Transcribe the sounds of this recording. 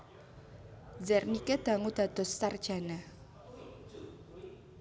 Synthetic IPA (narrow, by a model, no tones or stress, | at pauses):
zɛrnikɛd̪̥a̤ŋud̪̥a̤d̪̥ɔ̤sːard̥ʒ̥a̤na